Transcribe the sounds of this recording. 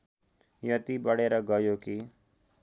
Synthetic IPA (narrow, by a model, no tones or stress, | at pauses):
jət̪iːbəɽeːɾaːɡəːjoːkiː